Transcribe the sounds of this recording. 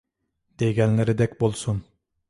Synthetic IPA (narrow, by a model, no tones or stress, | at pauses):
d̪̥eɡʲɛnlɪɾɪd̪ɛkʲbolˠsun